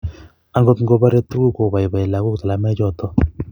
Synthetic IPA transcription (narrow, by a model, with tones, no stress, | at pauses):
a˦ŋɡo˦tŋ̩˦ɡo˦˧ba˦ɾe˦tːu˦ɡu˦ko˨ba˨i˨ba˨ɪ˨la˨ku˦kta˨la˨mɛ˦d͡ʒɔ˦˨tɔ˦